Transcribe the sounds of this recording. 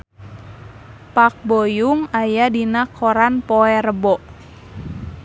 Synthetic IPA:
pak̚bɔjuŋajadinakʰɔɾanpɔɛrəbɔʔ

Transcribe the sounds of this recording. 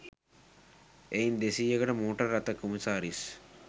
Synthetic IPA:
ejnd̪esijɐɣɐɽɐmuːʈːɐɾɐt̪ːɐkːumɐsaːɾis

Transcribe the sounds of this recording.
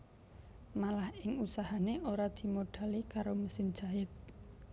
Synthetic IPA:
malahɪŋusahaneʔoɾad̪̥i̤moɖ̥a̤likaɾoməsɪn̥d͡ʒaɪt̪̚

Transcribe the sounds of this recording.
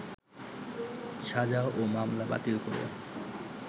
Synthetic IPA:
ʃad͡ʑaʔomamlaba̰t̪ilkoɾḛ

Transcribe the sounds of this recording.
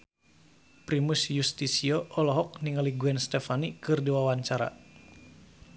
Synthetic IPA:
pɾimusjust̪isiɔʔɔlɔɦɔk̚niŋaliɡuɛnst̪ɛfanikɨrdiwawaɲt͡ʃaɾa̰

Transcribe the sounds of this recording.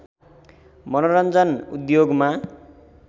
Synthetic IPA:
mʌnoɾʌnd͡zʌnṵd̪joɡma

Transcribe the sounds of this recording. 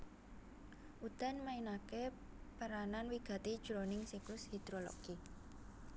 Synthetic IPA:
ʔut̪anmainake | paɾananwiɡ̥a̤t̪id̥ʒ̥ɾonɪŋsiklʊshid̪̥ɾolo̰ɡ̥i

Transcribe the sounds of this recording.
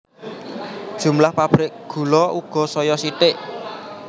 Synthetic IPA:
d̥ʒ̥ṳmlahpab̥ɾɪk̚ɡ̥ṳlɔuɡ̥ɔ̤sɔjɔsiʈɪʔ

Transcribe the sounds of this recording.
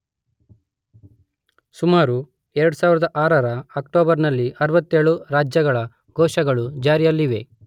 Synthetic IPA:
sumaːɾu | ɛɾɐɽusaːʋiɾɐd̪ɐʔaːɾɐɾɐːkʈoːbɐɾnɐlːiʔɐɾʋɐt̪ːeːɭuɾaːd͡ʒjɐɡɐɭɐ | ɡɔːʃɐɡɐɭud͡ʒaːɾijɐlːiʋe̞

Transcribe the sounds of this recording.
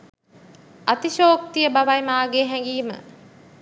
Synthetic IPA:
at̪iʃoːk̚t̪ijəbaʋajmaːɡeːɦɛŋɡiːmə̰

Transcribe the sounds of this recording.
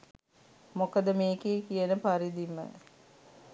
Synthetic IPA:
mokəd̪əmeːkeːkijənəpaɾid̪imːə̰

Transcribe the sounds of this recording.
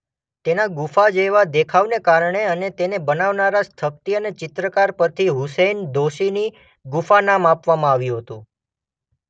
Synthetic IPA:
t̪enaɡufad͡ʒeʋad̪ekʰaʋnekaɾəɳeənet̪enebənaʋnaɾast̪ʰəp̚t̪iənet͡ʃɪt̪ɾəkaɾpəɾt̪ʰiɦusend̪oʃini | ɡufanamapʋamãaʋjũɦət̪ũ

